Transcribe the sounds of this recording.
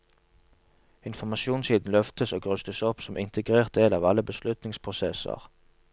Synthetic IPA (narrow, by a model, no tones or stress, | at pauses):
ɪnfɔmɑʃuːnsiːd̪n̩lœft̪əsoːɡʁʉst̪əsɔpsɔmʔɪnt̪ʰəɡʁeːʁt̪̚d̪eːlɑːʋɑləbəslʉt̪nɪŋspʰʁʊsɛsə̰ʁ